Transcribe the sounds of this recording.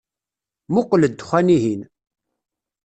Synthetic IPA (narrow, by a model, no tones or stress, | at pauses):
mʊqləd̪ːxʷæniɦin